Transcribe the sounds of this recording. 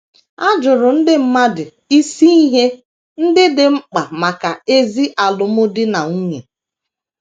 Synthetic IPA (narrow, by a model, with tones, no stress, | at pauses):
a˦d͡ʒʊ˨ɾʊ˨n̩˦dɪ˦m̩˦ma˦dɪ˨ | i˦si˦i˦ɦe˦ | n̩˦dɪ˦dɪ˨m̩˦k͡pa˨ma˨ka˨e˦zi˦ʔa˨lʊ˨mʊ˦dɪ˦na˨ŋu˦ɲḛ˨